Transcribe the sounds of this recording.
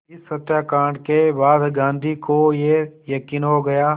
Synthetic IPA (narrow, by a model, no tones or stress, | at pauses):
ɪsːɐt̪jaːkãːɖkebaːd̪ɡãːnd̪ʱikojejɐkiːnɦoɡɐjaː